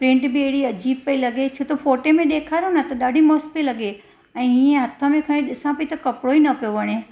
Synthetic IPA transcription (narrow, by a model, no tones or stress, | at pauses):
pɾɪ̃ːɳʈbɪeɦɪɽiɐd͡ʑiːb̚kɐilɐɡet͡ɕʰot̪ʰofoːʈemẽɗeːkʰaːɾonɐt̪ɐɗaːɖʱimɔːspilɐɡe | ɛ̃ːɦiːẽɦɐt̪ʰəmẽkʰɐɽ̃ẽɗɪsãpɐit̪ɐkɐpɽoinɐpijoʋɐɽ̃e